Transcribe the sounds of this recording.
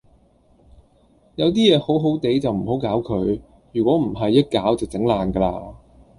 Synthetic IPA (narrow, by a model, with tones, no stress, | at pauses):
jɐ˨˧wt̪̬iː˥jɛː˨˧ho˨˥wɦo˨˥wt̪e˨˥jt͡sɐ˨wm̩˨˩ho˨˥wkaː˨˥wkʰɵ˨˧ɥ | jyː˨˩kʷɔː˨˥m̩˨˩ɦɐ˨jːɐ˥t̚kaː˨˥wt͡sɪ˨˩t͡sɪ˨˥ŋlaː˨nɡə˧laː˧